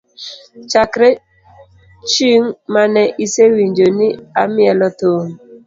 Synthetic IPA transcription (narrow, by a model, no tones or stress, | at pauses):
t͡ʃakɾe | t͡ʃiŋmanɛʔisewiɲd͡ʒoniamjɛlɔtoŋ